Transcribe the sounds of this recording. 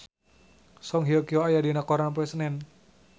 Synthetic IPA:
sɔŋɦiɔkioajadinakɔɾanp̬ɛsnɛn

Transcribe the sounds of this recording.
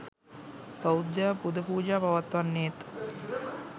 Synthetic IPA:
paud̪japud̪əpuːd͡ʒaːpaʋat̪ʋanːeːt̪

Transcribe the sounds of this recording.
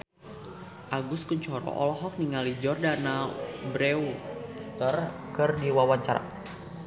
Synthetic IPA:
ʔaɡʊskuɲt͡ʃɔɾɔ̰ʔɔ̰lɔɦɔk̚niŋalid͡ʒɔrdanabɾeust̪ərkɨrdiwawaɲt͡ʃaɾa̰

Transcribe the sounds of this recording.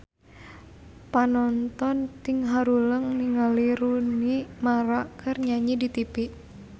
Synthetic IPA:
panɔnt̪ɔnt̪iŋɦaɾuləŋniŋaliɾunimaɾakɨrɲaɲidit̪ipiʔ

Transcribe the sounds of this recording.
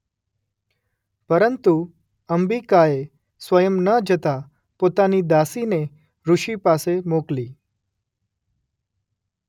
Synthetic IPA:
pəɾənt̪u | əmbikae | sʋəjəmnəd͡ʒʱət̪a | pot̪anid̪asine | ɾuʃipasemokli

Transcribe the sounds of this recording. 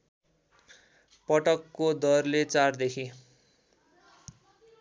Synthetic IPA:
pʌʈʌkːod̪ʌrlet͡sard̪ekʰi

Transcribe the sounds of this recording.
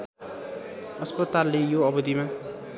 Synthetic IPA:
ʌspʌt̪alːejoʌbʌd̪ima

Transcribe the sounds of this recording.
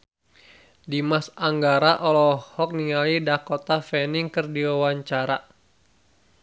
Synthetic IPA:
dimasaŋɡaɾaʔɔlɔhɔk̚niŋalidakɔt̪afɛniŋkɨrdiwawaɲt͡ʃaɾa

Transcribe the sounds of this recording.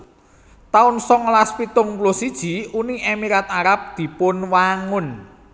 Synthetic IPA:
t̪aʊnsɔŋlaspit̪ʊŋplosid̥ʒ̥i̤uniʔemiɾat̪̚aɾap̚d̪̥i̤pʊnwaŋʊn

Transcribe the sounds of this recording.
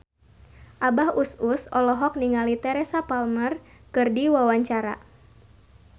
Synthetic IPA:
ʔabahususɔlɔɦɔk̚niŋalit̪ɛɾɛsapalmərkɨrdiwawaɲt͡ʃaɾa̰

